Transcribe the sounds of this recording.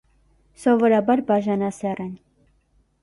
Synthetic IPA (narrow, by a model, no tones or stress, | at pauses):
sɔvɔɾɑbɑɾbɑʒɑnɑsɛrɛn